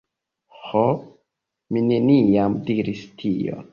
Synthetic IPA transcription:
ho | mine̞nijamdiɾistʰio̰

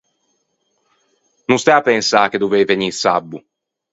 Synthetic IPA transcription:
nũnst̪ɛapːɛnsaːk̟ed̪ːovejveniːsabːu

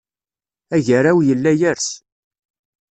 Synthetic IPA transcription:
æʝəɾawjəlːæjəɾs

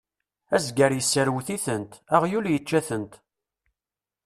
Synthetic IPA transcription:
æzɡəɾjəsːəɾwθiθənt̪æʁjuljət͡ʃːæθənt̪

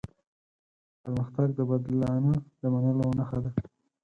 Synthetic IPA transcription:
pəɾməxt̪aɡ̚d̪əbad̪lɑnəd̪amanəlowənaxad̪a

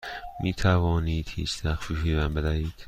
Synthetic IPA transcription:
miːt̪ʰævɒːniːd̪̥hḭːt͡ʃd̪æxfiːpiːvæmbed̪æiːd̪̥

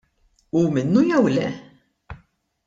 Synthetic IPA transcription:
umɪnːujɛwlɛ̰

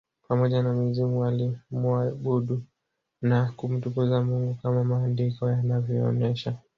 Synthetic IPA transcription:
pamɔʄanamizimualimuaɓuɗu | nakum̩tupuzamuŋɡukamamaːndikɔjanavjɔɔ̰nɛʃa

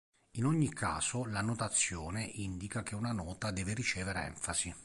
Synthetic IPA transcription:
inoɲːikʰːa̰ːzolanot̪at̪sːjoːneʔind̪ikak̟eunanɔːt̪ad̪ɛːveɾit͡ʃɛːveɾeɛ̰ɱfaz̥i

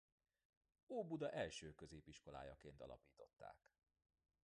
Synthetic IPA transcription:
oːbud̪ɒʔɛlʃøːkø̞zeːpiʃko̞la̰ːjɒkeːnt̪ɒ̰lɒ̰piːt̪o̞t̪ːa̰ːk

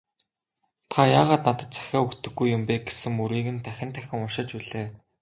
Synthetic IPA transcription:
t̪ʰajaːʁaːt̪nat̪ə̆t̪t͡sæ̥xʲaːukt̪ɘ̆ɡːujːʊmpeːɡe̥sɘ̆ŋːuɾiːɣɘ̆nt̪ʰæxʲɪ̆nt̪ʰæxʲɪ̆ŋʊʃɪ̆t͡ɕuɮeː

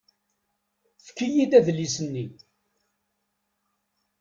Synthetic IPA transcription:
θə̥kːijid̪æðlːisənːi

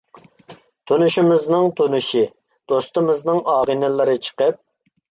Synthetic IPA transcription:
t̪ʰunuʃimɪznɨŋt̪ʰunuʃi | d̪̥ost̪ɨmɨznɨŋɑːʁinɪlˠɨɾɨt͡ʃʰə̥qəp̚

